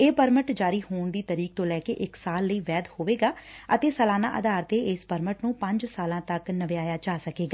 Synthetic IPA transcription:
eːpəɾməʈd͡ʒaːɾiːhoːɳd̪iːt̪əɾiːk̚t̪õːlɛːkḛːʔɪksaːlːəiːʋɛːd̪hoːʋeːɡaːət̪eːsəlaːna̰ːʔə̰d̪aːɾt̪eːɪspəɾməʈnũːpə̃ɲd͡ʒsaːlãːt̪əknəʋeaːjaːt͡ʃaːsəkeːɡaː

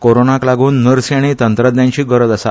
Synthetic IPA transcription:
koɾonaklaɡuːnːəɾsjaɽ̃it̪ənt̪ɾəd̪jãɲt͡ɕiːɡəɾəd̪əsa̰

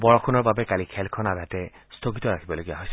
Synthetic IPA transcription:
bɔɹɔkʰunɔɹbabɛkalikʰɛlkʰɔnadʱatɛstʰokitɔɹakʰibɔloɡija̰ɦojsɛ

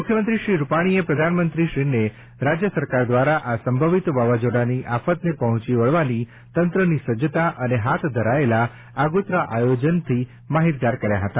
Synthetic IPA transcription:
mukʰjəmənt̪ɾiʃɾiɾupaɽ̃iepɾəd̪ʱanmənt̪ɾiʃɾine | ɾad͡ʒjəsəɾkaɾd̪ʋaɾaʔasəmbʱəʋit̪ʋaʋad͡ʒoɽaniʔafət̪nepəɦɔ̃t͡ʃiʋəɭʋani | t̪ənt̪ɾənisəd͡ʒət̪aʔəneɦat̪ʰd̪ʱəɾaela | aɡut̪ɾaʔajod͡ʒənt̪ʰi | maɦit̪̚ɡ̪aɾkəɾja̰ɦət̪a

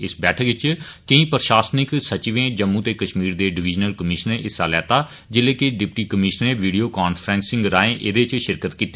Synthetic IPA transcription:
ɪsbɛːʈʰəkʋɪt͡ʃkəĩːpəɾʃaːsnɪksət͡ʃʋẽːd͡ʒəmːũːt̪eːkəʃmiːɾd̪eːɖɪʋɪd͡ʒnəlkəmɪʃəneʔɪsaːlɛːt̪aː | d͡ʒɪleːkɪɖɪpʈiːkəmɪʃeːʋiːɖioːkaːnfʰɾɛ̃ːnsɪ̃ŋɡɾaːẽːʔed̪et͡ʃʃɪɾkət̪kiːt̪ː

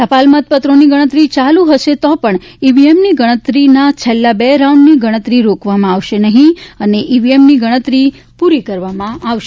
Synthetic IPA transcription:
səpalmət̪̚pət̪ɾoniɡəɽ̃ət̪ɾit͡ʃalũɦəʃet̪ɔpəɳiʋiemniɡəɽ̃ət̪ɾinat͡ʃʰelːabeɾaũɳɖniɡəɽ̃ət̪ɾiɾokʋamãaʋʃenəɦĩəneʔiʋiemniɡəɽ̃ət̪ɾi | puɾikəɾʋamãaʋʃe

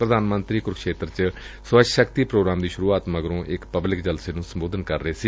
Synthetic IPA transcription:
pɾəd̪aːnmənt̪ɾiːkʊɾkʰʃeːt̪ɾt͡ʃ | sʋəʃəkt̪iːpɾoːɡɾaːmd̪iːʃʊɾuːaːt̪məɡɾõːʔɪkpəblɪkd͡ʒəlseːnũːsəmboːd̪ənkəɾːəeːsiː

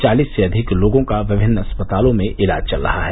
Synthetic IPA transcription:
t͡ʃaːliːsːeɐd̪ʱɪkloːɡõkaʋɪbʱɪnːɐspət̪aːlõmẽʔɪla̰ːd͡ʒt͡ʃɐlɾɐ̰ɦaɦɛː

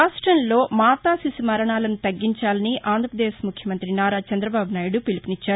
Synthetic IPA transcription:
aːʂʈɾɐnlo̞ːmaːt̪aːsisimɐɾɐɳaːlɐnut̪ɐɡːiɲt͡ʃaːlɐniʔaːnd̪ʱɾɐpɾɐd̪eːʃmukʰjɐmɐnt̪ɾinaːɾaːt͡ʃɐnd̪ɾɐbaːbunaːjiɽupilipinit͡ʃːaːɾu

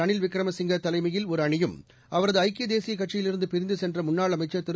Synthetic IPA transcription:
ɐɳɪlʋɪkɾɐmɐsɪŋɡɐt̪ːɐlɐɪmɐjɪlɔɾɐɳɪjɯm | ɐʋɐɾɐðɯɐɪkːɪjɐd̪eːsɪjɐkɐʈt͡ʃɪjɪlɪɾɯnd̪ɯpɪɾɪnd̪ɯsɛndrɐmʊnːaːɭɐmɐɪt͡ʃːɐt̪ɪɾ

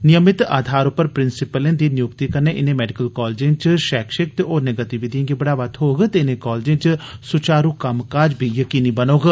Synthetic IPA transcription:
nɪjəmɪt̪aːd̪ʱaːɾʊpːəɾpɾɪnsɪpəlẽːnd̪iːnɪjʊkt̪iːkəɾneːʔɪnẽːmɛːɖɪkəlkɔːld͡ʒẽːnt͡ʃʃɛːkʃɪk̚t̪eoːnəɡət̪iʋɪd̪iãːɡibəɽaːʋət̪ʰɦoːɡt̪eɪnẽːkɔːld͡ʒẽːt͡ʃsʊt͡ʃaːɾuːkɐmkaːd͡ʒbʱiːjəkiːniːbənoːɡ

